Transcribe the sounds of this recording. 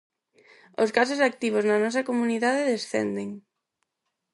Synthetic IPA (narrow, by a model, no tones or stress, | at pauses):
oskasosak̚t̪iβ̞oznɐnɔsɐkomuniðaðeðesθɛ̰nd̪eŋ